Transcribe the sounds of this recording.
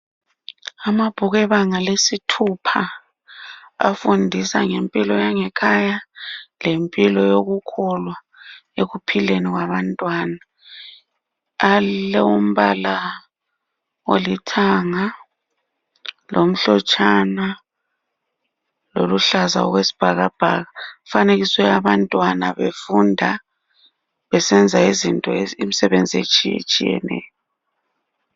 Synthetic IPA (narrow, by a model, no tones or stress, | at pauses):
amab̥ʱuɣɛβaŋalesitʰupʰa | a̰fundʱisa̰ŋempʼilɔjaŋɛkʰajalempʼilɔjoɣukʰɔlwa | eɣupʰileniɣwaβantʼwaːna | alɛum̩βala | wolitʰaŋa | lʔom̩ɬɔt͡ʃʼana | loluɬaza̰ɔ̰ɣwesi̥b̥ʱaɣab̥ʱaɣafaneɣisɔjaβantʼwanaβefundʱa | βɛsɛnd͡zʱaizintʼɔimisɛβend͡zʱiḛt͡ʃʼiḛt͡ʃʼijɛ̰nɛ̰jɔ